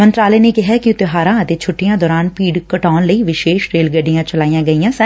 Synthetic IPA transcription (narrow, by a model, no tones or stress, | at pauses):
mənt̪ɾaːleːneːkɪɦɛːkɪʊt̪ɪɦaːɾãːət̪eːt͡ʃʰʊʈːɪjãːd̪ɔːɾaːnpiːɖkəʈaːnləiːʋɪʃeːʃɾeːlɡəɖːɪjãːt͡ʃəlaːijãːɡəijãːsɛ